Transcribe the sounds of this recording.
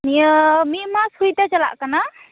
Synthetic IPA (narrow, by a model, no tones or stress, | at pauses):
nijəmimashujt̪at͡ʃala̰ʔkana